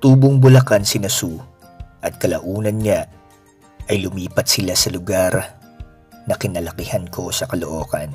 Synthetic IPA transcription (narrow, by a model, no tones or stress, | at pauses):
t̪uːboŋbʊlɐkansɪnɐsu | ʔɐt̪̚kɐlɐʔuːnɐnɲa | ʔɐjlʊmiːpɐt̪̚sɪlasɐlʊɡaɾ | nɐkɪnɐlɐkɪhankʰo̞sɐkɐloʔo̞ːkɐn